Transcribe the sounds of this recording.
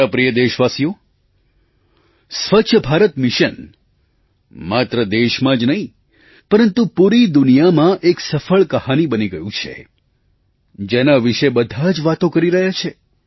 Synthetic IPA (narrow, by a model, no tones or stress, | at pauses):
apɾijəd̪eʃʋasijo | sʋəːt͡ʃʰəbʱaɾət̪mɪʃən | mat̪ɾəd̪eʃmãd͡ʒnəɦĩ | pəɾənt̪upuɾid̪unijamãʔeksəfəɭkəhanibəniɡəjũt͡ʃʰḛ | d͡ʒenaʋiʃebəd̪ʱad͡ʒʋat̪õkəɾiɾəɦjat͡ʃʰe